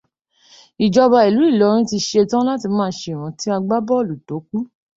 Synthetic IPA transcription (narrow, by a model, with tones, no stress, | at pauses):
i˨d͡ʒɔ˧ba˧i˨lu˨˦i˦˨lɔ˨˦ɾ̃ĩ˦ti˧ʃe˧tã˦la˦ti˧mãː˦˧˦ʃe˧˨ɾ̃ã˨˦ti˦a˧ɡ͡ba˦bɔ˦˨lu˨do˨˦k̚u˦